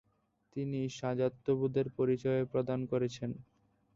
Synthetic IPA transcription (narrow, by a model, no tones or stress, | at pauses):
t̪iniʃad͡ʑat̪ːobud̪ʱeɾpoɾit͡ɕɔepɾod̪ankoɾet͡ɕʰen